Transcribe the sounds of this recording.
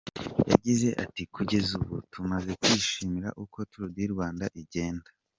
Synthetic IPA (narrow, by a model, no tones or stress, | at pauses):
ja̰ɟize̞ʔa̰tikuɟe̞zuβṵtʰumaze̞kwiːʃiːmiɾa̰ʔuko̞tuɾudiɾɡwaːndaʔiɟe̞ːnda